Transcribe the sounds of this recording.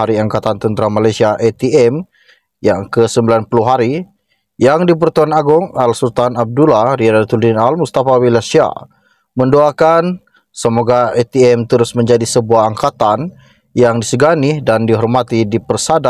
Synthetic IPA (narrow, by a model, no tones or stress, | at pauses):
aɾiaŋkat̪ant̪ənt̪ɾamalajsiaʔet̪iɛm | jaŋkəsəmbilanpuluɦaɾi | jaŋdip̬ərt̪uanaɡʊŋalsult̪anab̚dulaɾiadat̪uldɪnalmust̪afawilasia̰ | məndoakan | səmoɡaet̪iɛmt̪əɾʊsməɲd͡ʒadisəbuaɦaŋkat̪an | jaŋdisəɡanɪhdandiɦɔrmat̪idipərsada